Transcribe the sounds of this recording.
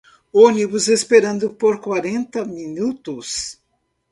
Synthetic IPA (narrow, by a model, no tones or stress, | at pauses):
onibʊzespeɾɐ̃nd̪ʊpoɾkwaɾẽnt̪ɐminut̪ʊs